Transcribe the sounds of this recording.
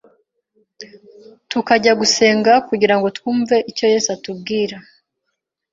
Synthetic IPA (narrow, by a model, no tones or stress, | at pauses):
tukaɟaɡuse̞ːŋɡakuɟiɾaŋɡo̞twuːɱve̞ʔico̞je̞ːsatub̚ɡiːɾa